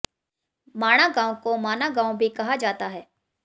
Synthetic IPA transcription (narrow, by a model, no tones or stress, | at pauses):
maːɽ̃aɡãːũkomaːñaɡãːũbʱikɐɦad͡ʒaːt̪aɦɛː